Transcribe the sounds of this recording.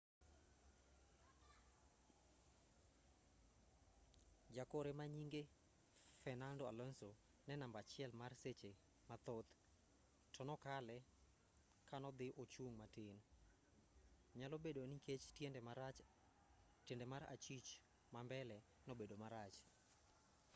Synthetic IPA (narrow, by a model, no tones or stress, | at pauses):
d͡ʒakoɾemaɲiŋɡe | fɛnandɔa̰lɔnso | nɛnambat͡ʃɪɛlmarset͡ʃe | mat̪ot̪ | tɔnɔkalɛ | kanɔd̪ɪʔot͡ʃuŋmatɪn | ɲalobedoniket͡ʃ | tendɛmaɾa̰t͡ʃit͡ʃ | mambɛlɛ | nobedomaɾat͡ʃ